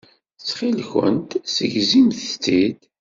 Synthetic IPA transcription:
t͡sːχilçə̰nt̪səʝzimθt͡sːid̪

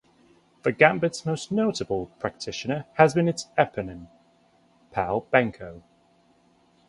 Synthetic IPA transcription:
ðəɡãmbədsmoʊsnoʊtəbəlˠpʰɹ̥ak̚tʰɪʃɪnəəzbĩnɪtsɛpʰənə̃n | pʰaʊlˠb̥ãŋkʰoʊ

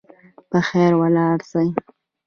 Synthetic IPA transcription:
pəxeɾwalɑɽsaj

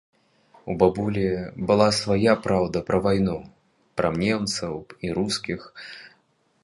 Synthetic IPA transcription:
ubabulʲibɨlˠasvajapɾawd̪ɐpɾɐvajnu | pɾɐmnʲɛmt̪sɐwiɾuskʲix

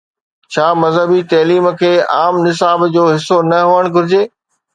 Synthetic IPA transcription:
t͡ɕʰaːmɐzɦəbit̪ɐːliːmkʰeːʔaːmnɪs̬aːbd͡ʑoːɦɪsːonɐɦoəɽ̃ɡʱʊɾɪd͡ʑeː

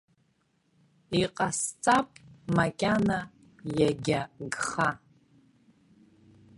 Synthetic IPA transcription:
iqʼast͡sʼapʼmakʲʼana | jaɡʲaɡχa

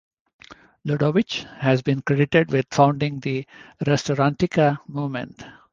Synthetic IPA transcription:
luɖoʋɪt͡ʃhæzbĩːnkɾeɖɪʈeɖʋɪd̪fãʊ̃ɳɖɪ̃ŋd̪iɾɛsʈoɾãɳʈikamumḛ̃ɳʈ

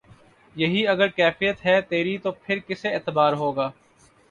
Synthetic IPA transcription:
jɐɦiɐɡəɾkɛːfijət̪ɦɛt̪eːɾit̪opʰɪɾkɪseeːt̪əbaːɾɦoːɡaː

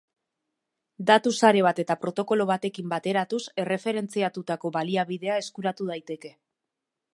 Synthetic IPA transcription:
d̪at̪usaɾe̞β̞at̪e̞t̪apɾo̞t̪o̞ko̞lo̞βat̪e̞kimbat̪e̞ɾat̪use̞re̞fe̞ɾe̞nt͡siat̪ut̪ako̞βaliaβiðe̞ae̞skuɾat̪uð̞ajt̪e̞ke̞

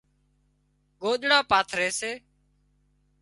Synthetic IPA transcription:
ɡoːɗɽaːpaːt̪ʰɾeːseː

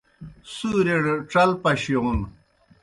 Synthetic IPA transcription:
suːɾeɽʈ͡ʂɐlpɐɕoʁum

